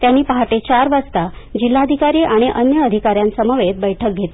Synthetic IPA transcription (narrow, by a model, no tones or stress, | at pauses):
t̪janːiːpəɦaʈet͡ɕaɾʋəst̪ad͡ʑilːad̪ʱikaɾiʔaɽ̃iʔənjəəd̪ʱikaɾjãnsəməʋet̪̚bəjʈʰək̚ɡʱet̪i